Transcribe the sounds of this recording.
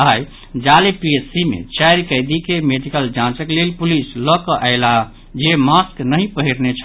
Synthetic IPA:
ɦaj | d͡ʒalepiesimḛt͡ʃajɾkəjd̪ikemeɖikəld͡ʒãt͡ʃəklelpulislɔkəʔaɪla | d͡ʒemasknəɦĩpəɦiɾnet͡ʃʰ

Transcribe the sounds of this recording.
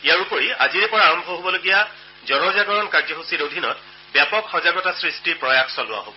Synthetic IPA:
ijaɹupoɹia̰ziɹɛpɔɹaːɹɔmbʱɔɦobɔloɡija | zɔnɔzaɡɔɹɔnkaɹd͡ʒɔɦosiɹodʱinɔ̰t | bjapɔkxɔzaɡɔtasɹistiɹpɹɔjaxsɔlʊwa̰ɦo̰bɔ

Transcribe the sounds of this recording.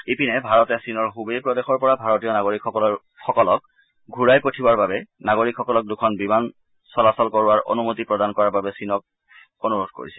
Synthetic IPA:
ipinɛbʱaɹɔtɛsinɔɹɦubejpɹɔdexɔɹpɔɹabʱaɹɔtijɔnaɡoɹikʰ | xɔkɔlɔk̚ | ɡʱuɹajpotʰibaɹbabɛnaɡoɹikʰːɔkɔlɔk̚dukʰɔnbiman | sɔlasɔlkɔɹaɹʔo̰numotipɹɔdankɔɹaɹbabɛsinɔk̚ | onuɹodʱko̰ɹisɛ̥

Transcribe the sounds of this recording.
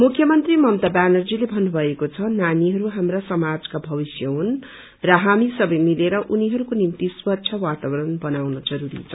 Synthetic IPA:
mukʰːjʌmʌnt̪rimʌmt̪abanʌrd͡zilebʱʌnːubʱʌekot͡sʰʌnaniɦʌɾuɦamrasʌmad͡zkabʱʌbisjʌɦun | rʌɦamisʌbʌjmileɾʌʔuniɦʌɾukonimt̪iswʌtːsʰʌwat̪abʌɾʌnbʌnawnʌd͡zʌɾuɾḭt͡sʰʌ

